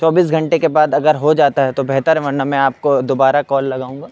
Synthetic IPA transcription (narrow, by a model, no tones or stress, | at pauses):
t͡ʃɔːbiːs̬ɡʱɐ̃ɳʈekebaːd̪ɐɡəɾɦod͡ʒaːt̪aɦɛt̪obɛɦt̪əɾɦɛʋɐɾnamɛ̃aːp̚kod̪oːbaːɾakɔːlːɐɡaːũːŋɡaː